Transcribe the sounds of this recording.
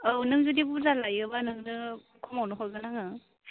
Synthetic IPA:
ɯwnɯŋzudibuzalajɯbanɯŋnɯ | kʰɔmawnɯɦɔjɡɯnaŋɯ

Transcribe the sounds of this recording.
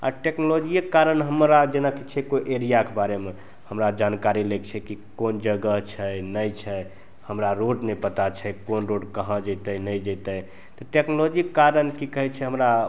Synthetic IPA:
a̰ʈeknolod͡ʒikːaɾənɦəmɾad͡ʒenakit͡ʃʰɛkoʔeɾijakebaɾeme | həmɾad͡ʒankaɾilekt͡ʃʰɛkikond͡ʒəɡəɦt͡ʃʰənəjt͡ʃʰɛ | həmɾaɾoɖnɛpət̪at͡ʃʰɛkonɾoɖkəɦə̃d͡ʒət̪ənəjd͡ʒət̪əj | t̪ɔʈeknolod͡ʒikːaɾənkikəɦɛt͡ʃʰɛɦəmɾa

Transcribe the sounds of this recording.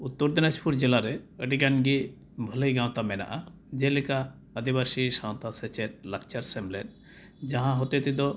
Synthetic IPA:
ut̪ːoɾd̪inaspuɾd͡ʑelaɾeəɖiɡanɡi | bʱəlejɡãw̃t̪amɛna̰ʔa | d͡ʒelika | əd̪ibasiʃaw̃t̪aset͡ʃeɾ̚lək̚t͡ʃaɾsemlen | d͡ʒaɦãɦot̪et̪id̪ɔ

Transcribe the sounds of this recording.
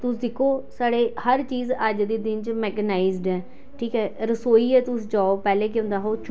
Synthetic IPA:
t̪ʊsd̪ɪkʰːoːsaːɽeːhəɾt͡ʃiːzəd͡ʒd̪iːd̪ɪnt͡ʃmɛːkənaːizɖɛː | ʈʰiːkɦɛːɾəsoːiːɛːt̪ʊsd͡ʒaːoːpɛːleːk̬ʊ̃nd̪aːɦoːt͡ʃ

